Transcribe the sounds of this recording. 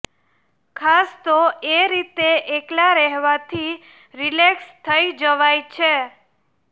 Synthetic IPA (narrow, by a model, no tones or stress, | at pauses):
kʰast̪oeɾit̪eʔeklaɾɛɦʋat̪ʰi | ɾilekst̪ʰəid͡ʒəʋajt͡ʃʰe